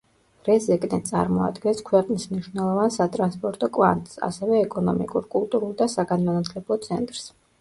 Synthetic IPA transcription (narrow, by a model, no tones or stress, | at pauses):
ɾɛzɛkʼnɛt̪sʼa̰ɾmɔa̰d̪ɡɛnskʰwɛqʼnismniʃwnɛlˠɔvansat̪ʼɾanspʼɔɾt̪ʼɔkʼva̰nt̪ʼsa̰sɛvɛːkʼɔnɔmḭkʼuɾkʼulˠt̪ʼuɾulˠd̪asaɡanmanat̪ʰlɛblˠɔt̪sʰɛnt̪ʼɾs